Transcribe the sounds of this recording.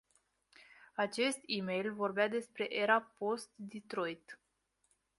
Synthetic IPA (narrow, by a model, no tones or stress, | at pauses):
at͡ʃe̞st̪ime̞jlvo̞rbead̪e̞spɾe̞ʔeɾapo̞st̪̚d̪it̪ɾo̞jt̪